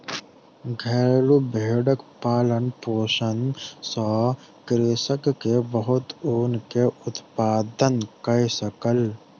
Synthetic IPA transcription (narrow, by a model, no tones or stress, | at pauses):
ɡʱɛːɾlubʱeːɖəkpaːlənpoːʃənsɔː | kɾesəkːebəɦʊt̪oːnkeʊt̪paːd̪ənkəjsəkəl